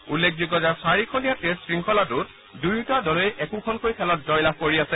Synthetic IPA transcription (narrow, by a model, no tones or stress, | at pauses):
ulːek̚ʰzuɡɔzaɹsaɹikʰonijatessɹiŋkʰɔlatʊt | dujtadɔlejʔɛkukʰɔnkojkʰɛlɔt̚zɔjlab̚koɹiasɛ